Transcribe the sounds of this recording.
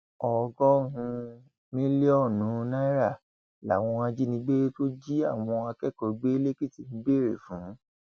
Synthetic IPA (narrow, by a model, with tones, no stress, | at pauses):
ɔ˨ɡɔ˦ɦũ˧ | nĩ˦le˦ɔ˦˨nũ˨˦na˦i˦ɾa˦˨ | la̰˨w̃ɔ̃˧a˧d͡ʒi˦nĩ˧˦ɡ͡be˦ɾe˦to˦d͡ʒi˦a˦˨w̃ɔ̃˧a˧kɛ˦˨kɔ˨˧ɡ͡be˦le˦ki˦˨ti˨nĩ˨˧˦ɡ͡be˦˨ɾḛ˨fũ˨˦